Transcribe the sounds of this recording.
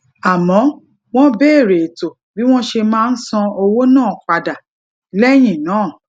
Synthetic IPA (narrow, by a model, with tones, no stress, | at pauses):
a˨mɔ̃˨˦ | w̃ɔ̃˦bɛ˦e˦˨ɾe˨to˨ | bi˦w̃ɔ̃˦ʃe˧mãː˦˧n̩˦sɔ̃˧o˧wo˦nãː˦˨k͡pa˨da˨˦ | lɛ˦˨j̃ĩ˨nãː˨˦˨